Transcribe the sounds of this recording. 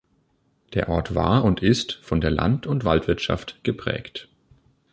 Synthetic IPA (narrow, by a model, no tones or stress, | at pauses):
d̥eːɐʔɔɐtv̥a̰ːɐʊntɪstfɔndeːɐla̰ntʊntv̥altv̥ɪɐtʃa̰ftɡ̥əpʁ̥ɛ̰ːkt